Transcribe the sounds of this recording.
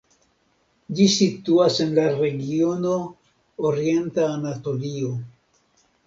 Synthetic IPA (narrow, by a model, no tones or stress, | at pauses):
d͡ʒisituase̞nlaɾe̞ɡio̞no̞ː | ɾie̞ntaːnato̞lio